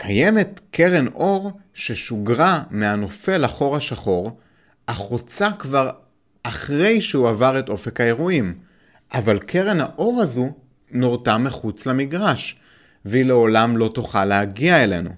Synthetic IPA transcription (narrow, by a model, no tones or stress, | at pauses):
kʰaje̞me̞tkʰe̞ʁenʔo̞ʁʃeʃuɡʁameano̞fe̞laχo̞ʁaʃaχo̞ʁ | aχot͡sakvaʁ | aχʁe̞jʃeuavaʁe̞to̞fekhae̞ʁuim | ʔavalkʰe̞ʁe̞nhaʔo̞ʁazu | noʁtameχut͡slamiɡʁaʃ | veile̞o̞lamlo̞toχalːehaɡiaele̞̰nṵ